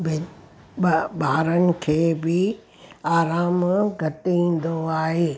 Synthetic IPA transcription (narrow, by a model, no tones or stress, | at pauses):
bɪ | baːɾənɪ̆kʰeːbɪ | aːɾaːmɡʱɐt̪iĩːn̆d̪oaːɦeː